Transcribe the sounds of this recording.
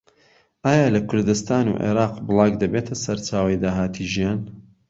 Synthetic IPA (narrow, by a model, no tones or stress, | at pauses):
ʔaːjaːlɐkʰʊɾd̪ɨst̪aːnṵʔḛːɾɑːqbɨlˠɑːɡd̪ɐbeːt̪ʰɐsɐɾt͡ʃaːwɐjd̪aːɦaːt̪ʰiʒijaːn